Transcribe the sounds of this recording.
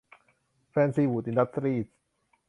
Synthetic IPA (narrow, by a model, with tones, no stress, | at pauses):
fɛː˧nsiː˧wuː˨˩t̪̚i˧nda˦˥t̪̚sɾiː˧˩t̪̚